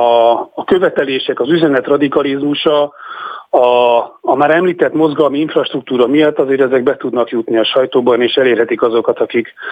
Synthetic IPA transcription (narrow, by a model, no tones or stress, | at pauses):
ɒːkø̞vɛt̪ɛleːʃɛkɒzyzɛnɛt̪rɒd̪ikɒlizmuʃɒ | ɒːmaːɾɛmliːt̪ɛt̪mo̞zɡɒlmiiɱfrɒʃt̪ruk̚t̪uːɾɒmijɒt̪ːɒzeːɾɛzɛɡ̚bɛt̪ud̪nɒkjut̪niɒʃɒjt̪oːbɒneːʃɛleːrɦɛt̪ikɒzo̞kɒt̪ɒkik